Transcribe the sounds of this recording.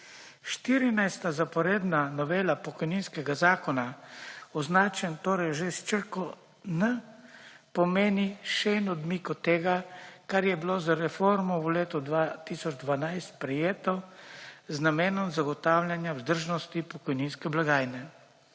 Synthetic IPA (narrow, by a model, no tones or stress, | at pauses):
ʃt̪iːɾinajst̪azapɔɾeːd̪nanɔʋeːlapɔkɔjniːnskɛɡazaːkɔnaɔznaːt͡ʃɛnt̪oːɾɛjʒest͡ʃəɾkɔ | nə | pɔmeːniʃɛɛnɔd̪mikɔt̪ːeːɡakaɾjɛbilozaɾɛfoɾmɔwleːt̪ɔd̪ʋat̪isɔd͡ʒd̪ʋanajst̪pɾɛjeːt̪ɔ | znameːnɔmzaɡɔt̪aːwlʲjanjawzd̪əɾʒnɔst̪ipɔkɔjninskɛblaɡaːjnɛ